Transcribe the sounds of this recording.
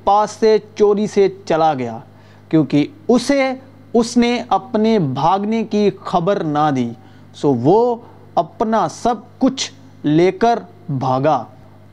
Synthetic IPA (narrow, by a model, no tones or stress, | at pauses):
paːsːet͡ʃoːɾiset͡ʃɐlaɡɐja̰ː | kjõːkiʊse | ʊsneɐpnebʱaːɡnekixɐbəɾnad̪iː | soːʋoː | ɐpnasɐb̚kʊt͡ʃʰ | leːkəɾ | bʱaːɡaː